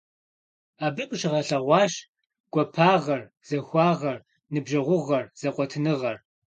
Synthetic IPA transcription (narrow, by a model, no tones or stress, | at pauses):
aːbɨkʼʃɪʁɐɬɐʁʷɑːɕ | ɡ̥ʷɔpʰaːʁɐr | z̥ɐxʷɑːʁɐr | nɨbʒɐʁʷʊʁɐrz̥ɐqʷʼɔtʰɨnɨʁɐr